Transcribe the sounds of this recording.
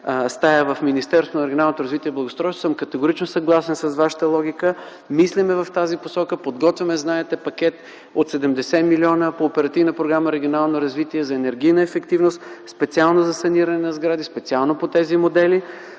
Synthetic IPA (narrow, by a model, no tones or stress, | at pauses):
st̪ajəvəfminist̪ɛɾst̪vonɐɾɛɡʲionalˠnot̪oɾəzvit̪iɛblˠɐɡost̪ɾɔjso̥səmkət̪ɛɡoɾit͡ʃnosɐɡlˠasɛnsɐzvaʃə̥t̪əlˠɔɡʲikə | mislɛmɛvɐft̪aziposɔkəpod̪ɡɔt̪vʲɛmɛznaɛt̪ɛpɐkɛt̪ | ot̪sɛd̪ɛmd̪ɛsɛmilʲiɔnəpoːpɛɾɐt̪ivnəpɾoɡɾaməɾɛɡionalˠnoɾɐzvit̪iɛzɐɛnɛɾɡijnəɛfɛkt̪ivnost̪spɛt̪sialˠnozɐsɐniɾɐnɛnɐzɡɾad̪ispɛt̪sialˠnopot̪ɛzimod̪ɛli